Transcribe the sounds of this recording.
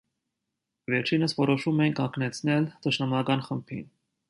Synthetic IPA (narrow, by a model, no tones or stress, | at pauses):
vɛɾt͡ʃʰinəsvɔɾɔʃumɛjinkʰɑŋkʰnɛt͡sʰnɛlt̪əʃnɑmɑkɑnχəmpʰḭn